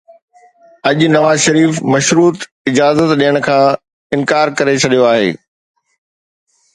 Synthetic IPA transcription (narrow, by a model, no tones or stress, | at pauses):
ɐʄnɐʋaːzʃɐɾiːfmɐʃɾuːt̪ | ɪd͡ʑaːzət̪ɗijəɽ̃kʰãː | ɪnkaːɾkɐɾet͡ɕʰɐɗijoaːɦḛː